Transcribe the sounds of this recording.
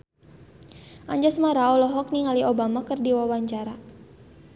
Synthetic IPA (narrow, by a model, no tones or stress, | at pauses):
ʔaɲd͡ʒasmaɾaɔlɔɦɔk̚niŋaliʔobamakɨrdiwawaɲt͡ʃaɾa